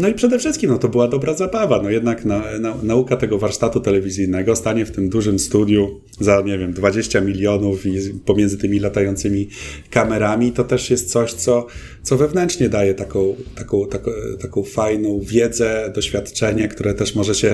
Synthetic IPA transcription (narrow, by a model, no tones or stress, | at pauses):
nɔipʂɛd̪ɛfʂɘst̪kʲimnɔt̪ɔbɘwad̪ɔbɾazabavanɔjɛd̪naknananaukat̪ɛɡɔvaɾʂt̪at̪ut̪ɛlɛvʲizʲɘjnɛɡɔst̪aɲɛft̪ɘmd̪uʐɘmst̪ud̪ʲju | zaɲɛvʲjɛmd̪vad͡ʑeɕt͡ɕamʲilʲjɔnufipɔmʲɛndzɘt̪ɘmʲilat̪ajɔnt̪sɘmʲikamɛɾamʲit̪ɔt̪ɛʂjɛst̪t̪sɔɕt̪sɔ | t̪sɔvɛvnɛnt͡ʂɲɛd̪ajɛt̪akɔ̃w̃t̪akɔ̃w̃t̪akɔt̪akɔ̃w̃fajnɔ̃w̃vʲjɛd̪zɛd̪ɔɕfʲjat̪t͡ʂɛɲɛkt̪uɾɛt̪ɛʂmɔʐɛɕɛ